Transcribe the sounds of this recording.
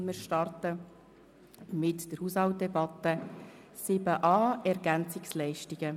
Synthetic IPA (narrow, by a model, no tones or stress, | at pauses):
mɪːɾʃtɑrtə | mɪtd̥əɾhushɑwt̚dɛbɑtə | sɪbəʔɑːɛɾɡænt͡sɪkslɛɪʃtiɡ̥ə